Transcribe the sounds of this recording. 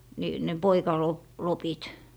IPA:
ni ne poikɑlo lopit

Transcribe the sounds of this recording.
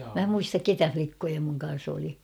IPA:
mæ muistɑk ketæ flikːojɑ muŋ kɑn̞s oli

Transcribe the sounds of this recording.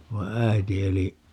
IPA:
ʋɑi̯ æiti eli

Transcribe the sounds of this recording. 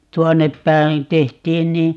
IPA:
tuonːep pæin̞ tehtiːn ni

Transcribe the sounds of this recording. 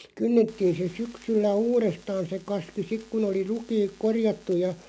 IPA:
kynːetːiːn̞ se syksylːæ uːrestɑːn̞ se kɑski sik kun oli rukiːk korjɑtːuj̆ jɑ

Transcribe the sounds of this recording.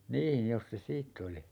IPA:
niːn̞ jos se siːtː oli

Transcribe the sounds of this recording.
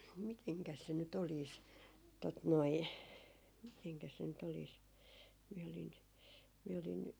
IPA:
miteŋkæs se nyt oliːs tot noi miteŋkæs se nyt oliːs miɛ olin miɛ olin

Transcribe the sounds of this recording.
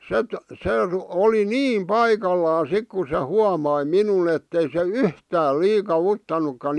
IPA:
set se r oli niːm pɑikɑlːɑː sik ku se huɑmɑi minun etːei se yhtæː liːkɑʋ̆utːɑnukːɑn

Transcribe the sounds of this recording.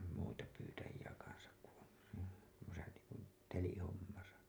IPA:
muitɑ pyːtæjiæ kɑnsɑk ku on tuosɑ niːŋkun telihomːɑsɑ

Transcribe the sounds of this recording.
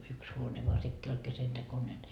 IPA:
yks huone ʋoɑ sekːiː olʲ kesentekonen

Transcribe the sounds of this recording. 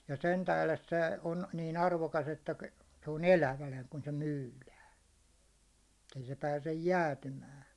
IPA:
jɑ sen tæhles se on niːn ɑrʋokɑs etːæ se on elæʋænæ kun se myːlæːn etːei se pæːsej jæːtymæː

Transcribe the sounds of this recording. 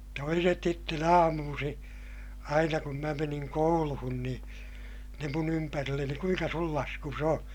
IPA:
toiset sitːen ɑːmuːsĩː ɑinɑ kum mæ meniŋ kouluhun nĩː ne mun ympærilːeni kuiŋkɑ sul lɑskus o

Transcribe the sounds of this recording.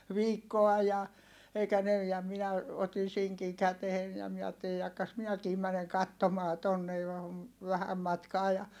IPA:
ʋiːkːoɑ jɑ eikæ ne jɑ minæ otin̞ siŋkiŋ kætehen jɑ miɛ ɑːtːeli jɑkːɑs minækiː mæneŋ kɑtːomɑː tonːe ʋæhæm mɑtkɑː jɑ

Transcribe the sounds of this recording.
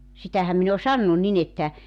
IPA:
sitæhæm min o sɑnːu nin etːæ

